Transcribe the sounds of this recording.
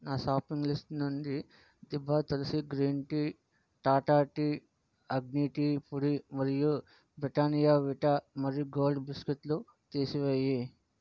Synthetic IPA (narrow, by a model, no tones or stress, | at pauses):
naːsaːpiŋɡlisʈnunɖi | d̪ibːaːt̪ɐlɐsiɡɾiːɳʈi | ʈaːʈaːʈi | ɐɡniʈipuɽimɐɾiju | bɾiʈaːnijaːʋiʈamɐɾjuɡoːlɖbisket̪lu | t̪eːsiʋeːji